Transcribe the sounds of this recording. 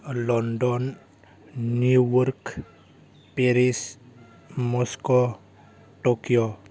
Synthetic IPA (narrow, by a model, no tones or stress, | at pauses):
lɔnɖɔnː | uwuɾk | peɾis | mɔsko | ʈokio